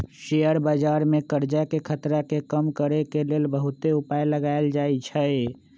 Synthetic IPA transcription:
ʃejəɾbad͡ʒaɾmekəɾd͡ʒakekʰət̪ɾakekəmkəɾekelelbəɦut̪eupajləɡaeld͡ʒaet͡ʃʰəj

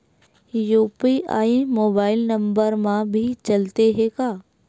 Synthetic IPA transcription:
juːpiʔa̰ːẽmoːbaːɪlnɐ̃mbəɾmãbʱit͡ʃɐlt̪eɦekaː

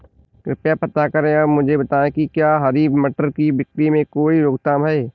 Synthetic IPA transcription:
kɾɪpjapɐt̪akɐɾẽɔːmʊd͡ʒʱebɐt̪aːẽkikjaːɦɐɾiːbməʈəɾkibɪkɾimẽkoːiɾoːɡt̪aːmɦɛeː

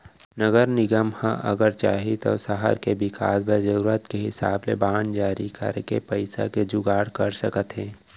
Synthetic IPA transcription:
nəɡəɾnɪɡəmhãʔə̰ɡəɾt͡ʃa̰ːɦit̪o̰səɦə̰ɾkebɪkʰa̰ːsbʱəd͡ʒəɾuɾət̪keɦɪsaːblebaːnd͡ʒaːɾikə̰ɾkepəɪsa̰ked͡ʒʊɡaːɽkəɾsəkət̪ɦɛ̃ː

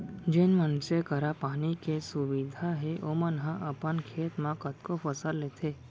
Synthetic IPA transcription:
d͡ʒenʋənsekəɾapanikesuʋid̪ʱaɦeʔomənɦãʔəpənkʰeːt̪mãkət̪kofəsəlːet̪ʰe

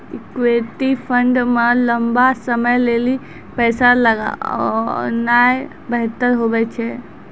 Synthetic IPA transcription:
kweʈipʰəɳɖmeləmbasəməjleli | pɛːsaləɡa̰ɔ̰naːj | bəɦt̪əɾɦobɛt͡ʃʰɛ

